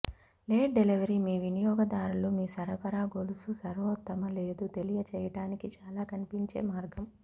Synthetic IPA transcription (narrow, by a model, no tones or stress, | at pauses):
leːʈ̚ɖeliʋɐɾimiːʋinijɔːɡɐd̪aːɾulumiːsɐɾɐpɐɾaːɡolususɐɾʋɔt̪ːɐmɐle̞ːd̪ut̪e̞lijɐt͡ʃɛːjɐʈaːnikit͡ʃaːlaːkɐnipiɲt͡ʃe̞̰ːmaːɾɡɐm